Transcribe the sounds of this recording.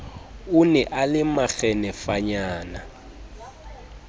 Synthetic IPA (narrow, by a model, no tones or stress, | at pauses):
ʊnɛʔalɪmaɣɛnɛfaɲaːna